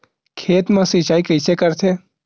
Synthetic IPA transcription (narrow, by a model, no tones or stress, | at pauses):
kʰeːt̪mãsit͡ʃaːikəjsʰekəɾt̪ʰe